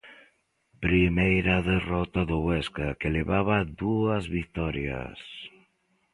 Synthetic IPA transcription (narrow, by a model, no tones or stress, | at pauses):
pɾimejɾaðerɔt̪aðʊɣwɛskakeleβaβaðuɐzβik̚t̪ɔɾja̰s